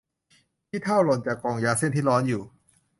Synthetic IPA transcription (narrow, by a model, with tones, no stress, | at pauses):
t̪ʰiː˥˩t̪ʰa˥˩wlo˨˩nt͡ɕaː˨˩kːɔː˨˩ŋjaː˦˥se˥˩˨nt̪ʰiː˥˩lɔː˦˥njuː˨˩